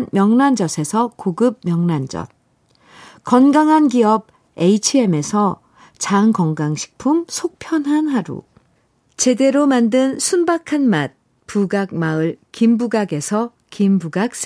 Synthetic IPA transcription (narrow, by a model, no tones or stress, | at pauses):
nmjʌŋnand͡ʑʌsʰe̞sʰʌkoɡɯp̚mjʌŋnand͡ʑʌ̰t̚ | kʌnɡaŋɦanɡiʌb̚ | eit͡ɕʰie̞me̞sʰʌ | t͡ɕaŋkʌŋɡaŋɕʰi̥k̚pʰumsʰok̚pʰjʌnɦanɦaɾṵ | t͡ɕe̞de̞ɾomandɯnsʰunbakʰanmat̚ | puɡak̚maɯɭkimbuɡaɡe̞sʰʌ | kimbuɡak̚s͈